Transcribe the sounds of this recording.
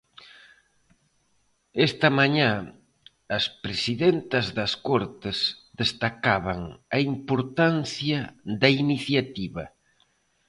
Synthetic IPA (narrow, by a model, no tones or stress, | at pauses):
est̪ɐmaɲã | ɐspɾesiðent̪ɐzðɐskɔɾt̪ɪzd̪est̪akaβ̞ɐŋɐimpoɾt̪anθjɐðɐiniθjat̪iβɐ